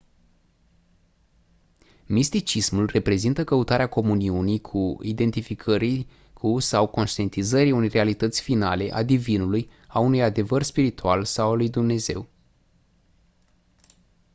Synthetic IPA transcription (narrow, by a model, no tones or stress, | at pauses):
mist̪it͡ʃismulre̞pɾe̞zint̪əkəut̪aɾeako̞muniunijkʰuid̪e̞nt̪ifikʰəɾi | kʰusawko̞nʃt̪ie̞nt̪izəɾiunejre̞alit̪ət̪sʲfinale̞ʔa̰d̪ivinuluj | aunujad̪e̞vərspiɾit̪ualsawalujd̪umne̞ze̞̰w